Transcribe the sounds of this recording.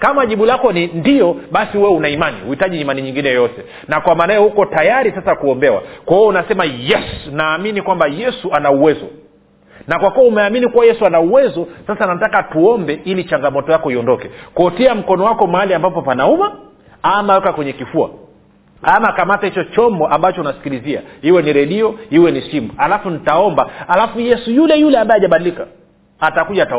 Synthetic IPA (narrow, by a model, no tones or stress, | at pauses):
kamaʄiɓulakɔnindiɔɓasiwɛunaimanḭhuitaʄiːmaniɲiŋɡinɛjɔjɔtɛ | nakwamaːnajɔhukɔtajaɾisasakuɔmbɛwa̰kwahiɔunasɛmajɛsunaːminikwambajɛsuanauwɛzɔ̰ | nakwakuwaumɛaminikuwajɛsuanauwɛzɔsasanatakatuɔmbɛilit͡ʃaŋɡamɔtɔjakɔiɔndɔkɛkuɔtiam̩kɔnɔwakɔmaaliambapɔpanauma | amawɛkakwɛɲɛkifua̰ | amakamatahit͡ʃɔt͡ʃɔmbɔʔambat͡ʃɔnasi̥kilizia̰hiwɛniɾɛɗiɔhiwɛnisimuhalafunitaɔmbahalafujɛsujulɛjulɛambaɛaʄaɓaɗilika | atakuʄata